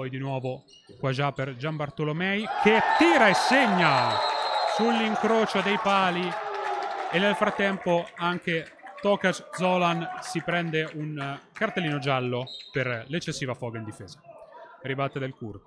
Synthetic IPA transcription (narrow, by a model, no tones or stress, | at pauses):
pɔjd̪inwɔːvo | kwad͡ʒaperd͡ʒambart̪olomɛjkʰet̪ːiːɾaesːeɲːa | sulːiŋkɾoːt͡ʃod̪ejpaːli | enːelfɾat̪ːɛmpoaŋke | t̪ɔːkat͡ʃd̪zɔlansipɾɛnd̪eunkart̪elːiːnod͡ʒalːoperlet͡ʃːesːiːvafɔːɡaind̪ifeːzḁribat̪ːed̪elkur